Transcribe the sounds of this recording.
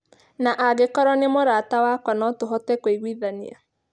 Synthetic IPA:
naʔaɣekɔɾɔnemoɾatawakwanɔtoɦɔtɛkoiɣwiðanḭa̰

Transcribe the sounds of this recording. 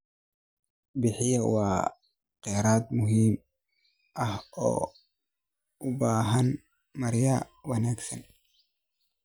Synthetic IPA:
bɪħɪjɐwaː | qɛɾaːd̪mʊɦiːm | ʔɐhɔ̰ː | ʊbaːɦɐn | mɐɾjɐwɐnaːksɐ̰n

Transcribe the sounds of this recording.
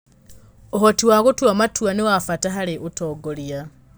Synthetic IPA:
oɦotiwaɣotwamatwanewafataɦaɾeʔutoːɡolia

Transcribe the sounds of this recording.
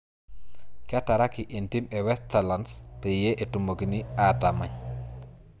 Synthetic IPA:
kɛtaɾakiʔintimɛwɛstalanspɛjɛʔɛtumoɡiniatamaɲ

